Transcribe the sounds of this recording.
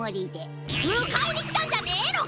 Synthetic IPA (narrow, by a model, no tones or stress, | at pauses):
oɾʲit̪e | ɯkainʲikʲi̥t̪ãɲ̟d͡ʑaneːno